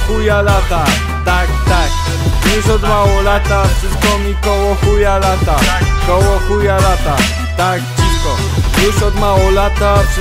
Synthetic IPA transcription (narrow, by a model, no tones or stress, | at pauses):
xujalat̪a | t̪akt̪ak̚ | wuɕɔd̪mawɔlat̪afʂɨskɔmikɔwɔxujalat̪akɔwɔxujalat̪a | t̪akt͡ɕikɔ | uɕɔd̪mawɔlat̪afʂ